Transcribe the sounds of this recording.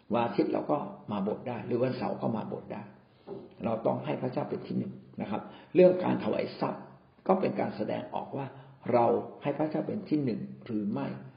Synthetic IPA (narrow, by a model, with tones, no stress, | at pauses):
waː˧t̪ʰi˦˥t̪̚lɛ̰ː˧wkɔː˥˩maː˧bo˨˩t̪̚daː˥˩jɾɯː˩˦wa˧nsa̰˩˦wkɔː˥˩maː˧bo̰˨˩t̪̚daː˥˩j | ɾa˧wt̪ɔ̰˥˩ŋɦa˥˩jpʰɾa˦˥t͡ɕaː˥˩wpe˧nt̪ʰiː˥˩nɯ˨˩ŋna˦˥kʰa˦˥p̚ɾɯ˥˩əŋka̰ː˧nt̪ʰa˧wa̰˨˦jsa˦˥˩p̚ | kɔː˥˩pe˧nka̰ː˧nsa˧dɛ̰ː˧ŋʔɔ̰ː˨˩k̚waː˥˩ | ɾa˧wha˥˩jpʰɾa˥˩t͡ɕaː˥˩wpe˧nt̪ʰiː˥˩nɯ˨˩ŋɾɯː˩˦ma˥˩j